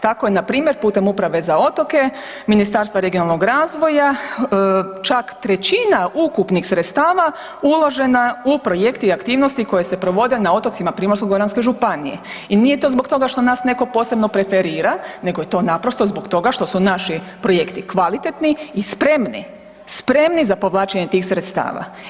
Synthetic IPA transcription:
t̪akojenapɾiːmje̞ɾpuːt̪e̞mupɾaʋe̞zao̞t̪o̞ke̞ | minist̪aɾst̪ʋaɾeɡijonalˠno̞ɡɾaːzʋo̞ja | t͡ʃakt̪ɾe̞t͡ɕinaʔukupnixsɾet̪st̪aːʋa | ulo̞ʒe̞naupɾo̞je̞kt̪iakt̪iːʋnost̪iko̞je̞se̞pɾo̞ʋo̞d̪e̞nao̞t̪o̞t̪simapɾiːmoɾskoɡoɾanske̞ʒupanije̞̰ | inije̞t̪o̞ːzbokt̪o̞ɡaʃt̪o̞naːsne̞ko̞po̞se̞bno̞pɾe̞fe̞ɾiːɾane̞ɡo̞jet̪o̞napɾo̞st̪o̞zbo̞kt̪o̞ɡaʃt̪o̞sunaʃipɾo̞je̞kt̪ikʋalit̪et̪niːspɾe̞mnḭ | spɾe̞mnizapo̞ʋlˠaːt͡ʃaɲet̪iːxsɾet̪st̪a̰ːʋa̰

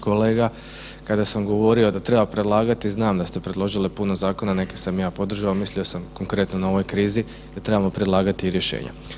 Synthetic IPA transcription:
ko̞leːɡa | kad̪asamɡo̞ʋo̞ɾio̞d̪at̪ɾe̞bapɾe̞d̪lˠaːɡat̪iznaːmd̪ast̪e̞pɾed̪lˠo̞ʒilipuno̞zaːko̞nane̞kesamjaːpo̞d̪ɾr̩ʒaomislio̞samko̞ŋkɾe̞t̪nonao̞ʋo̞jkɾiːzi | d̪at̪ɾe̞bamo̞pɾed̪lˠaːɡat̪iːɾje̞ʃḛːɲa̰

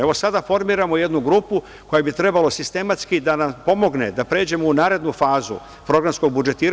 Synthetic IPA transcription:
eʋo̞sad̪afo̞ɾmiːɾamo̞je̞d̪nuɡɾuːpu | ko̞jabit̪ɾe̞balo̞sist̪e̞mat̪skid̪anampo̞mo̞ɡne̞d̪apɾeːd͡ʑe̞mounaːɾe̞d̪nufaːzṵ | pɾo̞ɡɾamsko̞ɡ̚bud͡ʒe̞t̪iːɾ

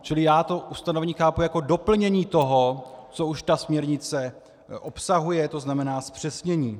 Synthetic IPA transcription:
t͡ʃɪlɪjaːt̪o̞ʔust̪anovɛɲiːxaːpujako̞do̞pl̩ɲɛɲiːt̪o̞ɦo̞t͡souʃt̪asmɲɛɾɲɪt͡sɛ | ʔo̞psaɦujɛt̪o̞znamɛnaːspr̥ɛsɲɛɲiː

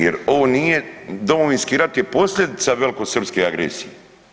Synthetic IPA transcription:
jeɾoʋoːnije̞d̪o̞mo̞ʋinskiɾat̪je̞po̞slʎʲe̞d̪it̪saʋe̞lko̞sr̩pskeaɡɾḛsije

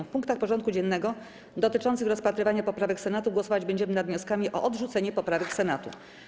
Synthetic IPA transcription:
fpuŋkt̪axpɔʐɔnt̪̚kud͡ʑɛnːɛɡɔ | d̪ɔt̪ɘt͡ʂɔnt̪sɘxɾɔspat̪ɾɘvaɲapɔpɾavɛksɛnat̪uɡwɔsɔvad͡ʑbɛɲd͡ʑɛmɘnad̪vɲɔskamʲiʔɔ̰ʔɔd̪ʐut̪sɛɲɛpɔpɾavɛksɛnat̪ṵ

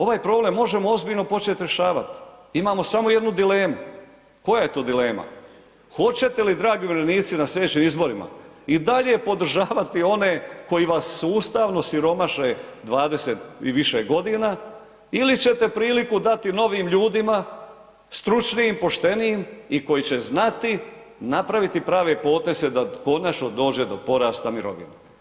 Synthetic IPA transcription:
o̞ʋaːjpɾo̞ːble̞mːo̞ʒe̞moo̞zbiʎno̞po̞t͡ʃe̞t̪ɾe̞ʃaːʋat̪i̥imaːmo̞samo̞jed̪nud̪ile̞ːmu | ko̞jaje̞t̪oːd̪ile̞ːma̰ | xo̞t͡ɕe̞t̪elid̪ɾaːɡimɾeniːt̪sinasle̞d̪et͡ɕiːmizbo̞ɾima̰ | id̪aʎe̞po̞d̪ɾ̩ʒaːʋat̪io̞ne̞ko̞jiʋasːuːst̪aʋno̞siɾo̞maʃed̪ʋaːd̪e̞se̞t̪iʋiʃeɡo̞d̪inaː | ilit͡ɕe̞t̪e̞pɾiːlikud̪at̪ino̞ʋiːmʎuːd̪ima | st̪ɾut͡ʃnijːmpo̞ʃt̪e̞nijimiko̞jit͡ɕe̞znat̪i | napɾaʋit̪ipɾaːʋe̞po̞ːt̪e̞ze̞d̪ako̞nat͡ʃno̞d̪o̞ːd͡ʑe̞d̪o̞po̞ɾaːst̪amiɾo̞̰ʋḭna

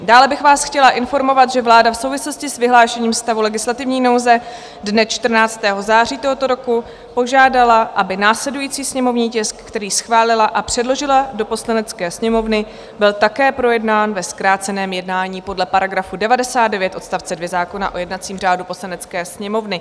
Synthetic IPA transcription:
daːlɛbɪxvaːsxcɛlaʔɪnfo̞ɾmo̞vat̪ʒɛvlaːdafso̞wvɪslo̞scɪsvɪɦlaːʃɛɲiːmfst̪avulɛɡɪslat̪ɪvɲiːno̞wzɛ | dnɛt͡ʃt̪r̩naːt͡st̪ɛːɦo̞zaːriːt̪o̞ɦo̞t̪o̞ɾo̞ku | po̞ʒaːdalaʔabɪnaːslɛdujiːt͡siːsɲɛmo̞vɲiːcɛskːt̪ɛɾiːsxvaːlɪlaʔapr̥ɛdlo̞ʒɪlado̞po̞slanɛt͡skɛːsɲɛmo̞vnɪ | bɪlt̪akɛːpɾo̞jɛdnaːnvɛskɾaːt͡sɛnɛːmjɛdnaːɲiːpo̞dlɛpaɾaɡɾafudɛvadɛsaːt̪̚dɛvjɛt̪ʔo̞t̪st̪aft͡sɛdvjɛzaːko̞na̰ʔo̞jɛdnat͡siːmr̝aːdupo̞slanɛt͡skɛːsɲɛmo̞vnɪ

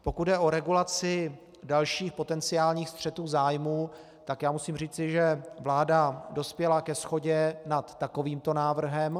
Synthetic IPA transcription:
po̞kut̪dɛʔo̞ɾɛɡulat͡sɪ | dalʃiːxpo̞t̪ɛnt͡sɪaːlɲiːxst̪r̝̥ɛt̪uːzaːjmuː | t̪akjaːmusiːmriːt͡sɪʒɛvlaːdado̞spjɛlakɛsxo̞ɟɛnat̪ːako̞viːmt̪o̞naːvr̩ɦɛm

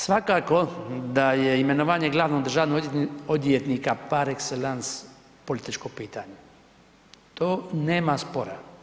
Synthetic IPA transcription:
sʋakako̞d̪ajeime̞noʋaːɲeɡlˠaːʋnoɡd̪r̩ʒaːʋnood̪jet̪nikapaɾekselans | polit̪it͡ʃkopiːt̪aɲe | t̪oːneːmaspo̞ɾa̰

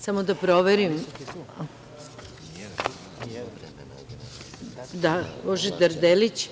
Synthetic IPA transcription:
samod̪apɾoʋeɾim | d̪aboʒid̪aɾd̪elit͡ɕ

